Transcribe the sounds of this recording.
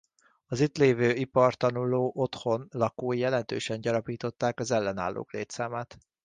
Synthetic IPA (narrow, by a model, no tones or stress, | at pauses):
ɒzit̪leːvøːipɒrt̪ɒnuloːʔo̞t̪ho̞nlɒkoːjɛlɛnt̪ø̰ːʃɛɲɟɒɾɒpiːt̪o̞t̪ːaːkɒzɛlːɛna̰ːlːo̰ːkleːt̪saːmaːt̪